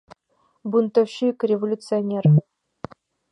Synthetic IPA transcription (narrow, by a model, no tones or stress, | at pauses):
bunt̪oɕikʲrʲevolʲut̪t͡sɨonʲer